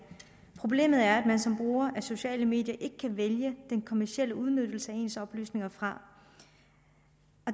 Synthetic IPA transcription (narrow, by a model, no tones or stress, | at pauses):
pʰʁo̝b̥le̝̰ːməð̞̩ˠæɐæd̥mænsɒ̽mb̥ʁuːɐʔæso̝ɕɛ̰ːləme̝̰ːd̥jɐʔe̝ɡ̥ə̥kʰæʋeljəd̥enkʰo̝mæɐsiel̰əuð̞ˠnød̥l̩səæe̝̰ːnsɒ̽b̥ly̰ːsne̝ŋɐfʁɑ̈ | ɒ̽